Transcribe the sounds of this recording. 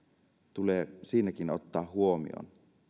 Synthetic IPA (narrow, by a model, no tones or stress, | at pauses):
t̪uleːsiːnækino̞t̪ːɑːɦuomḭo̰n